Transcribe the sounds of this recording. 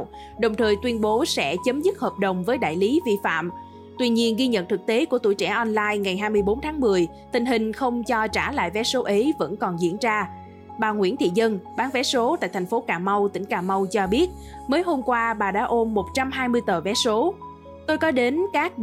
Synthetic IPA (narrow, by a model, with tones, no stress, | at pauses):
ɗə˨˩wŋ͡mt̪ʰəː˨˩jt̪wi˧ənɓo˨˦sɛ̰˧˥t͡ɕə˨˦mzɨ˦˥t̚həː˨˩p̚ɗə˨˩wŋ͡mvəː˨˦jɗa̰ː˧˨jli˨˦vi˧fa̰ː˧˨m | t̪wi˧ɲi˧ənɣi˧ɲə̰˧˨nt̪ʰɨ˨˩k̚t̪e˨˦ku˧˩ət̪ṵ˧˩jt͡ɕɛ̰˧˩ʔɔ˧nlaː˧jŋa˨˩jɦaː˧jmɨ˧əjɓo˨˦nt̪ʰaː˨˦ŋmɨ˨˩əj | t̪ï˨˩ŋ̟ɦhï˨˩ŋ̟xə˧wŋ͡mt͡ɕɔ˧t͡ɕaː˧˩la̰ː˧˨jvɛ˨˦so˨˦ʔə˨˦jvə̰˧˥nkɔ˨˩nzḭ˧˥ənzaː˧ | ɓaː˨˩ŋwḭ˧˥ənt̪ʰḭ˧˨zə˧nɓaː˨˦nvɛ˨˦so˨˦t̪a̰ː˧˨jt̪ʰa˨˩ŋ̟fo˨˦kaː˧˩ma˧wt̪ï˧˩ŋ̟kaː˧˩ma˧wt͡ɕɔ˧ɓi˦˥ət̚ | məː˨˦jɦo˧mkwaː˧ɓaː˨˩ɗa̰ː˧˥ʔo˧mːo˨˩t̚t͡ɕa˧mɦaː˧jmɨ˧əjt̪əː˨˩vɛ˨˦˥so˨˦ | t̪o˧jkɔ˨˦ɗe˨˦nkaː˦˥k̚